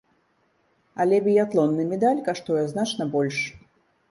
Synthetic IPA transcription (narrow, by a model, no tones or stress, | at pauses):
ɐlʲɛbʲijat̪lˠɔnːɨmʲɛd̪alʲkaʂt̪ɔjɛznat͡ʂnɐbɔlʲʂ